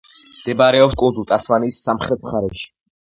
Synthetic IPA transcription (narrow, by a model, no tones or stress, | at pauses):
md̪̥ɛbaɾɛɔpskʼund̪ut̪ʼasmanisːamχɾɛt̪ʰχaɾɛʃi̥